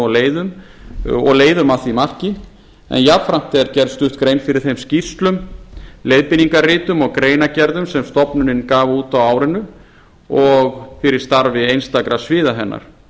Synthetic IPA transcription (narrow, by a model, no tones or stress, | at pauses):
ɔɣleːjðʏm | ɔ̰ɣleːjðʏmaθimar̥cɪ | ɛ̰njafɾam̥t̪ɛɛɾcɛɾðst̪ʏht̪kɾeːjnfɪɾɪɾ̥θejmsci̥st̪lʏmlejðpɪniŋkarɪːt̪ʏmɔɣkɾeːjnacɛɾðʏmsɛmst̪ɔpnʏnɪnkaːvauːt̪awaːwɾɪnːʏ | ɔɣfɪɾɪɾ̥st̪aɾvɪejnst̪akɾasvɪːðaɦɛnːʔa̰ɾ̥